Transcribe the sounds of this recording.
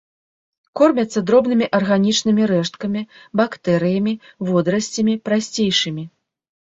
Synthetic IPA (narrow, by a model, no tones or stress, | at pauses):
kɔrmʲɐt̪sːɐd̪ɾɔbnɨmʲiʔɐrɣanʲit͡ʂnɨmʲiɾɛʂt̪̚kɐmʲibakt̪ɛɾɨjɐmʲivɔd̪ɾɐsʲt͡sʲɐmʲipɾasʲt͡sʲejʂɨmʲi